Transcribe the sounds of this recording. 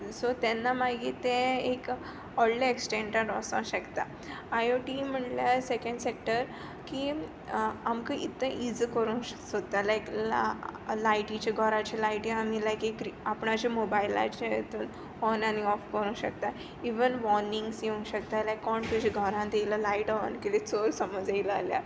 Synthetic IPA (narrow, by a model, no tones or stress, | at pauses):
sot̪ɛnːamaɡiːt̪ẽek | ɔɽleeksʈẽɳʈaɖɔsã̰ɕəkt̪a | ajoʈim̤əɳljasekəɳɖsek̚ʈəɾ | kiː | amkə̃ʔit̪ːə̃ʔid͡zkəɾũːsod̪t̪alajk | laiʈit͡ɕeɡʱəɾãt͡ɕelaiʈĩam̤ilajkekɾiapɳat͡ɕamobaila̰t͡ɕajet̪uːn | ɔnaniɔfkəɾũːɕəkt̪a | iʋənʋɔɾnĩŋɡsjeũɕəkt̪alajkːɔɳt̪ud͡ʑʱiɡʱəɾãt̪eləlaiʈɔə̰nkelet͡soɾsəməd͡zailəa̰lja̰